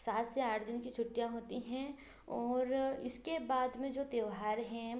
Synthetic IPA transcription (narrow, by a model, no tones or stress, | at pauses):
saːt̪ʰseaːʈʰd̪ɪnkit͡ʃʰʊʈːijaɦoːt̪iɦɛ̃ | ɔːɾɪskebaːd̪mẽd͡ʒoːt̪eʋɦaːɾɦɛ̃